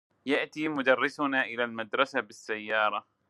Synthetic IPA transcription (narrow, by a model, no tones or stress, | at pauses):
jaʔt̪imʊd̪ɑrˤːɪsʊnaʔɪlalmad̪ɾˤɑsabɪsːajːɑːɾˤɑ